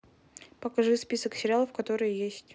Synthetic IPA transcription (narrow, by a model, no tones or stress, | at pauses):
pəkɐʐɨspʲisəksʲɪɾʲalˠəfkɐt̪o̞ɾɨjəjesʲtʲ